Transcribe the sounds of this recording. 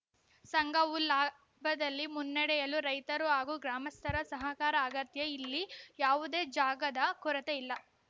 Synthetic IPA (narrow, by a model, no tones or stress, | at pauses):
sɐŋɡɐulaː | bʱɐd̪ɐlːimunːɐɽɛjɐluɾɐjt̪ɐɾuaːɡuːɡɾaːmɐst̪ʰɐɾɐsɐɦɐkaːɾɐːɡɐt̪jɐilːijaːʋud̪e̞ːd͡ʒaːɡɐd̪ɐkɔɾɐt̪eilːɐ